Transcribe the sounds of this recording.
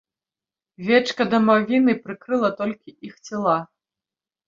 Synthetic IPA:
vʲɛt͡ʂkɐd̪ɐmavʲinɨpɾɨkɾɨlˠɐt̪ɔlʲkʲiʔixt͡sʲɛlˠa

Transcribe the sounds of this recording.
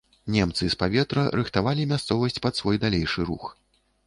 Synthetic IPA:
nʲɛmt̪sɨspavʲɛt̪ɾɐɾɨxt̪avalʲimʲast̪sɔvɐsʲt͡sʲpɐt̪svɔjd̪alʲejʂɨɾṵx

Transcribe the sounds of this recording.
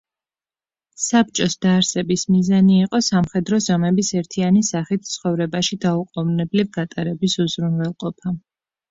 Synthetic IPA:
sap̚t͡ʃʼɔsd̪̥aːɾsɛbismizaniːqʼɔsamχɛd̪ɾɔzɔmɛbisɛɾt̪ʰianisaχit̪̚ʰt̪sʰχɔvɾɛbaʃid̪auqʼɔvnɛblivɡat̪ʼaɾɛbisuzɾunwɛlˠqʼɔpʰa

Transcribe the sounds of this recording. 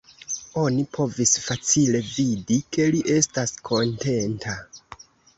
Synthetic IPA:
o̞nipʰo̞visfat͡sile̞vidike̞liʔe̞staskʰo̞nte̞ntʰa

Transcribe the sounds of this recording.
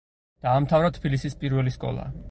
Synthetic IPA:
d̪̥aːmt̪ʰavɾat̪ʰbilisispʼiɾvɛliskʼɔ̰lˠa̰

